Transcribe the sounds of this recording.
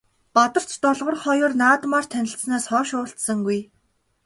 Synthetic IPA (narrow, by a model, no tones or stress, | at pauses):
pat̪ə̆r̥t͡ɕt̪ɔɮʁɞ̆rχɔjʊːrnaːt̪maːr̥t̪ʰænʲɪ̆ɬsnaːsχɔːʃʊːɬt̪sə̆ŋɡuj